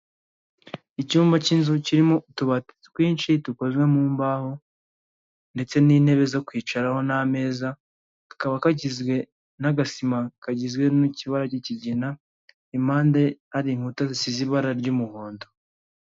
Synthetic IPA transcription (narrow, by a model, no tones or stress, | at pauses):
icuːmbacinzuciɾimoutuβat | wiːnt͡ʃituko̞zɡwe̞muːmbaho | nde̞t͡se̞niːne̞βe̞zo̞kwiːt͡ʃaɾaho̞name̞ːza | akaβakaɟizɡwe̞ | naɡasimakaɟizɡwe̞nuciβaɾaciciɟina | imaːnde̞haɾiŋ̥hutazisiziβaɾaɾɟumuhoːndo